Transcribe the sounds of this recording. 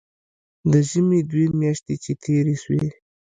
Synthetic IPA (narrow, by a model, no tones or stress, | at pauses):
d̪əʒəmed̪wemjaʃt̪et͡ʃet̪ʰeɾeʃwe